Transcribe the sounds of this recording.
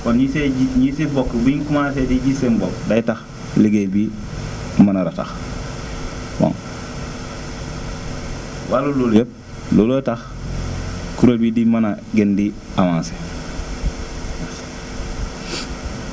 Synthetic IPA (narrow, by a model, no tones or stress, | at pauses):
konɲiseiɲisebokbiŋkumaːsediɟisembokdajtax | liɡebi | manaɾata̰x | wa̰ŋ | walololep̚ | lolotax | kuɾobidimanaɡendi | amanse | s